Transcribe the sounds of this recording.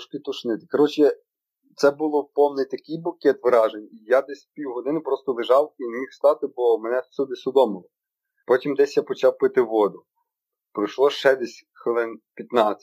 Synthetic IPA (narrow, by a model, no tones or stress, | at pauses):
ʃkʲit̪ʊʃnɪt̪ɪ̥kɔɾɔt͡ʃɪ | t̪sɛbulˠɔpɔmnɛt̪ɐkɪjbʊkʲɛt̪ʋɾɑʒenʲijad̪ɛsʲpʲiwɦɔd̪ɪnɪpɾɔst̪ɔlˠɪʒɑwinemʲixst̪ɑt̪ɪbɔmɛnɛsʲud̪ɪsʊd̪ɔmɪlˠɪ | pɔtʲimd̪ɛsʲjapɔt͡ʃɑwpɪt̪ɪʋɔd̪ʊ | pɾɐjʃlˠɔʃt͡ʃɛd̪ɛsʲ | xʋɪlˠɪnpʲjɐt̪nɑt͡sʲːɐ